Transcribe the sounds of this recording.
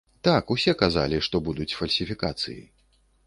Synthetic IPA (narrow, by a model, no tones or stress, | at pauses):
t̪akusʲɛkaza̰lʲiʂt̪ɔbud̪ut͡sʲfɐlʲsʲifʲikat̪sɨ̰jḭ